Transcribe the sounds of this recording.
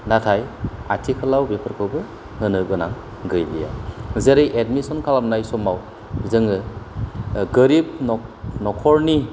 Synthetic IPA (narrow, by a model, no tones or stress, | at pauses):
natʰajatʰikʰɯlawbepʰɯɾkʰɯwbɯ | hɯnɯbɯnaŋ | ɡɯjlḭja̰zeɾɯjʔedmisɔnkʰalamnajsɔmaw | zɯŋɯ | ɡɯɾib̚nɔnɔkʰɔɾni